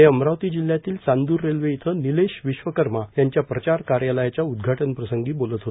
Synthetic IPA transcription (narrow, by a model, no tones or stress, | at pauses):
eəmɾaʋt̪iːd͡ʑil̤jat̪iːlt͡sand̪uːɾːelʋeit̪ʰənileɕʋiɕʋəkəɾmajaɲt͡ɕjapɾət͡ɕaɾkaɾjaləjat͡ɕjaud̪ɡʱaʈənpɾəsəŋɡiːbolət̪ɦot̪